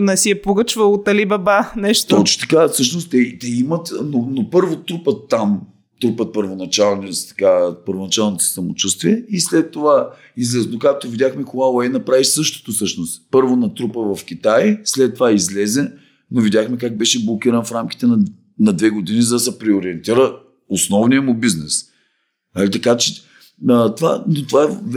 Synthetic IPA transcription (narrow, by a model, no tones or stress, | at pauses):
nɛsiɛpoɡət͡ʃvɐlˠot̪ɐlibɐbanɛʃt̪oot͡ʃo̥t̪ɐ̥kafsɤʃ̬nost̪t̪ɛt̪ɛimɐt̪nonopɤɾvot̪ɾupət̪ːam | t̪ɾupət̪̚pəɾvonɐt͡ʃalˠnist̪ɐ̥kapəɾvonɐt͡ʃalˠnoosɛ̥sɐmo̰t͡ʃust̪viɛislɛt̪ːova | izlɛsnokak̚t̪ovid̪ʲaxmɛkoɡaoɛjnɐpɾavisɤʃt̪o̥t̪osɤʃnost̪pɤɾvonɐt̪ɾupəvɐfk̟ʲit̪ajslɛt̪ːovaizlɛzɛ | novid̪ʲaxmɛkaɡ̚bɛʃɛblˠokʲiɾənfɾamk̟i̥t̪ɛnɐ | nɐd̪vɛɡod̪inizɐd̪ɐsɛpɾɛoɾiɛnt̪iɾə | osnɔvnijəmʊbiznɛs | ɐlit̪ɐkat͡ʃɛ | ət̪ova̰not̪ovaɛv